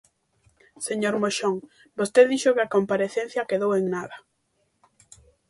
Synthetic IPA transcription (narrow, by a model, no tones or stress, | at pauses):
seɲoɾmoʃoŋ | bost̪eðiʃʊkɪakompaɾeθẽn̟θjakeðoweŋnaðɐ